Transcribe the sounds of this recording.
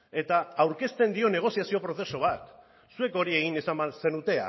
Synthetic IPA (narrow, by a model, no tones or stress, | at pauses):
e̞t̪aːwɾke̞st̪e̞nd̪io̞ne̞ɣ̞o̞siasio̞pɾo̞θe̞soβ̞at̪ | sue̞ko̞ɾie̞ɣine̞samase̞nut̪e̞a̰